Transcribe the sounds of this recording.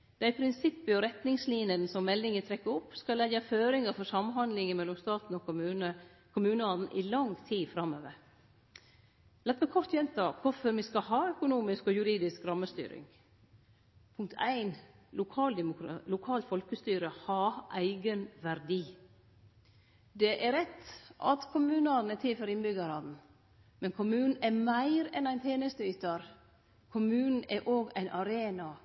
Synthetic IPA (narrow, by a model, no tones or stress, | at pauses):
d̪̥æɪpʰɾɪnsɪpːəɔɾɛt̪nɪŋsliːnənsɔmmːɛlːɪŋət̪ʰɾɛkːəɾɔpːskɑlːɛjəføːɾɪŋəɾfɔsɑmɦɑnd̪lɪŋəmɛlːɔmst̪ɑːt̪n̩ɔkʉnə | kʰʊmʉːnəɔnn̩ʔɪlɑŋt̪ʰiːfɾɑmːøːʋəɾ | lɛt̪ːmɛkʰɔɾt̪jɛnt̪ʰɑːkʰʊfɔɾmɪskɑhɑːœkʊnuːmɪskɔjʉɾiːd̪ɪskɾɑmːəst̪y̰ːɾɪ̰ŋ | pʰʊŋkt̪ʰæ̰ɪn | ʊkʰɑːld̪ɛmʊkɾlʊkʰɑːlt̪fɔlkəst̪yːɾəhɑʔæɪɡənʋæɾd̪iː | d̪ɛʔæɾɛt̪ːʔɑ̰t̪kʰʊmʉːnɑɾnɛt̪ʰɪlføɾɪnbʏɡəɾɑːd̪n̩ | mɛnkʰʊmʉːnn̩ɛmæɪɾɛnæɪnt̪ʰjeːnəst̪əyːt̪ɑɾ | kʰʊmʉːnn̩ɛɾʔoːɡæ̰ɪnʔɑɾeːnɑ